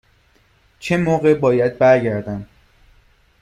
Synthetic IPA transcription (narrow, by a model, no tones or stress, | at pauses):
t͡ʃʰemoːɣe̞bɒːjæd̪̚bæɾɟæɾd̪æn